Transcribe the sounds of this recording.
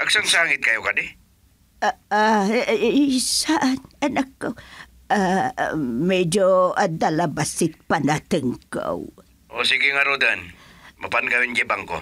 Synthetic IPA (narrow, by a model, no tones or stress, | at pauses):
ʔaɡsaŋsaŋɪt̪̚kajokad̪ɪ | a | saʔananakːaw | a | med͡ʒoad̪alabasɪt̪̚panat̪əŋka̰w | ʔosiɡiŋaɾod̪anmapankawind͡ʒibaŋko̰